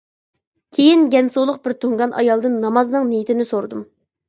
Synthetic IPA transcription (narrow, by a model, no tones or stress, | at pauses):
kʲʰejinɡʲɛnsolˠʊq̚bɪɾt̪ʰoŋɡɑnʔɑ̰jɑlˠd̪ɨnːɑmɑznɨŋnijit̪ʰɪnɪsoɾd̪um